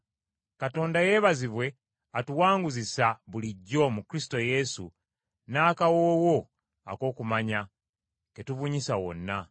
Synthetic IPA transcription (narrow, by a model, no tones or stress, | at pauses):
kato̞ːndaje̞βaziβwe̞ | atuwaːŋɡuzisaβuliɟːo̞mukɾisi̥to̞je̞su | naːkawoːwo̞ | a̰ko̞ːkumaɲa | ketuβuɲisawo̞̰nːa